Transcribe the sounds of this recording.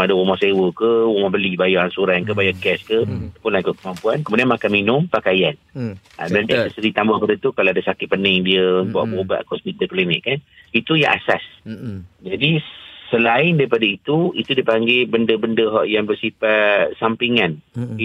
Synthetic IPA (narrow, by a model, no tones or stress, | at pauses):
adəwɔmɔsewəkəwɔmɔbəlibajaansuɾankəbajaʔkɛskəpʊnlaɡʊʔ̪̚kəmampuankəmudianmakanminʊmpakajan | a̰bant̪asəsəɾit̪ambahkəɾət̪ukalaadasakɪt̪̚pənɪŋdiəbua̰ʔboba̰ʔkɔsmit̪əklimɪʔkanit̪uja̰ŋʔa̰sas | d͡ʒadisəlaɪndaɾipadait̪uit̪udipaŋɡebəndəbəndəɦɔʔjaŋbərsifasampiŋan